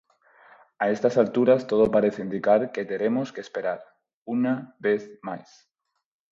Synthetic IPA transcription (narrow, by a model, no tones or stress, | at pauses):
aest̪asalt̪uɾast̪oð̞opaɾeθeind̪ikaɾket̪eɾemoskeːspeɾaɾ | unaβeθmajs